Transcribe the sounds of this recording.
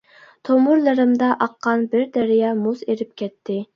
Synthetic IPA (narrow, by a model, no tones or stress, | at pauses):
t̪ʰomuɾlˠɨɾɨmd̪ɑʔɑqːɑnbɪɾd̪ɛɾɪjɑmuzeɾɪp̚kʲʰɛt̪ʰːɪ